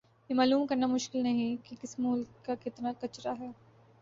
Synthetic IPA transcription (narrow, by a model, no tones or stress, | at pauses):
jemaːluːmkɐɾnamʊʃkɪlnɐɦĩkikɪsmuːlkakɪt̪nakɐt͡ʃɾaɦɛː